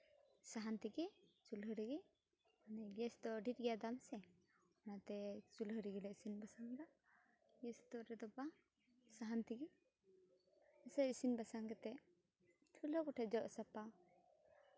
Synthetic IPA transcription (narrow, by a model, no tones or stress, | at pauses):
saɦant̪iɡɛt͡ʃulɦəɾiɡɛ | anɛɡɛsd̪ɔɖit̪̚ɡɛjad̪amsɛ | ɔnat̪ɛt͡ʃulɦəɾiɡɛlɛʔsinbasaŋda | ɡɛst̪ɔɾɛd̪ɔba | saɦant̪iɡɛ | ɛsɛsinbasaŋɡɛt̪ɛʔ | t͡ʃʰulɔkɔʈʰad͡ʒɔʔsapa